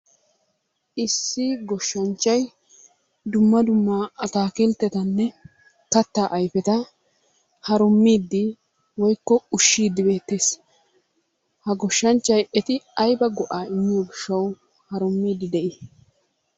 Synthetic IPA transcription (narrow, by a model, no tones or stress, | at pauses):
ʔɪsːɪɡɔʃːɐnt͡ʃːɐj | d̪ʊmːɐd̪ʊmːaːɐt̪aːkɪlt̪ːɛt̪ɐnːɛ | kɐt̪ːaːʔɐjfɛt̪ɐ | hɐɾʊmːiːd̪ːɪ | wɔjkːɔʊʃːiːd̪ːɪbe̞ːt̪ːe̞ːs | hɐɡɔʃːɐnt͡ʃːɐjɛt̪ɪɐjbɐɡɔʔaːɪmːɪjoːɡɪʃːɐw | hɐɾʊmːiːd̪ːɪd̪ɛʔɪ